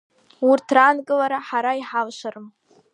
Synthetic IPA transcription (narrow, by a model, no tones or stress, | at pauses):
urtʰranɡʼɨlaɾaħaɾaiħalʃʷarɨm